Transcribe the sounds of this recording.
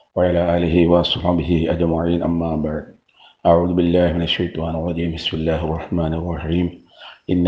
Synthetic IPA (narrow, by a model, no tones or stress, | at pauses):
waʕalaːʔaːlɪɦɪwasˤħabɪɦɪʔad͡ʒmaʕiːnʔa̰mːaːbaʕd̪̚ | ʔaʕuːðʊbɪlːaːhmɪnaʃːajt̪ˤɑːnɪrˤːɑd͡ʒiːmbɪsmɪlːaːhɑrˤːɑħmaːnɪrˤːɑħiːm | ʔɪnː